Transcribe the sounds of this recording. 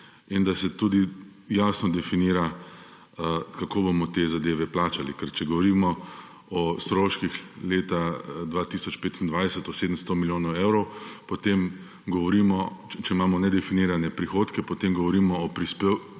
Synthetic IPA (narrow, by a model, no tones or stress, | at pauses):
ind̪asɛt̪uːd̪ijaːsnɔd̪ɛfiniːɾa | kakoːbomɔt̪ezad̪eːʋɛplaːt͡ʃalikɛɾt͡ʃɛɡɔʋɔɾimɔ | ɔst̪ɾoːʃkixleːt̪ad̪ʋaːt̪isɔt͡ʃpeːt̪ind̪ʋajsət̪ɔseːd̪əmst̪omiljoːnɔwewɾɔwpɔt̪em | ɡɔʋɔɾiːmɔt͡ʃɛimaːmɔnɛd̪ɛfiniːɾanɛpɾixoːt̪kɛpɔt̪emɡɔʋɔɾiːmɔːpɾispe